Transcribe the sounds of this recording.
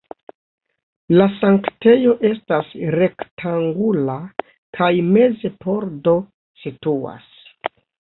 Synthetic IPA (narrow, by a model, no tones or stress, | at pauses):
lasaŋkte̞jo̞ʔe̞stasɾe̞ktʰaŋɡula | kʰajme̞ze̞po̞ɾdo̞ | situa̰s